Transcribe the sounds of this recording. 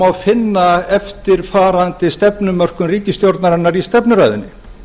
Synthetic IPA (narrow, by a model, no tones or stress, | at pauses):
awfɪnːaɛft̪ɪɾ̥faːɾant̪ɪst̪ɛpnʏmœr̥kʏmriːcɪst̪jowɾt̪naɾanːaɾist̪ɛpnʏɾa̰ːjðɪnːɪ